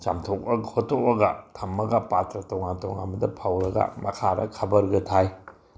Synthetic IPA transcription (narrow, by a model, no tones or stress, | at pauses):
t͡ʃa̰mtʰok̚ɐhotʰːok̚ɐɡɐtʰɐmːɐɡɐpatɾɐtoŋantoŋamɐdɐpʰawɾɐɡɐ̰mɐkʰaɾʔɐ̰kʰɐbɐɾɡɐtʰaj